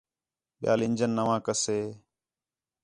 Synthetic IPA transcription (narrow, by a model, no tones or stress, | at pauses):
ɓɪja̰ːlɪnʲd͡ʒənːəʋãːkəseː